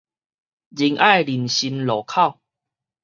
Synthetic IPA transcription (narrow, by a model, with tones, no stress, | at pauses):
d͡ʑi˧ŋʔa˥˧jli˨˩nɕi˧nlɔ˨˩kʰa˥˨w